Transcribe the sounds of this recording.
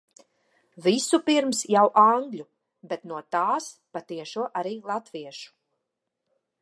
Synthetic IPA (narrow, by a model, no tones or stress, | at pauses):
visupiɾmsjawʔaŋɡʎʲu | bet̪nuɔt̪aːspat̪iɛʃuɔʔaɾiːlˠat̪viɛʃu̥